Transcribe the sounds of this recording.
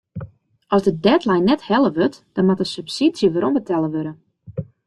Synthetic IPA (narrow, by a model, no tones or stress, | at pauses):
ʔɔsdədɛtlɛjnːɛthɛlˠəʋøtd̥ɔnmatəsypsitsjəʋəɾɔmbətʰɛlˠəʋøɾən